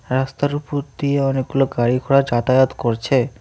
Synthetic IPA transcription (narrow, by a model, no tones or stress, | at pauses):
ɾast̪aɾupoɾd̪ieɔnek̚ɡuloɡaɽikʰoɽad͡ʑat̪ajat̪koɾt͡ɕʰe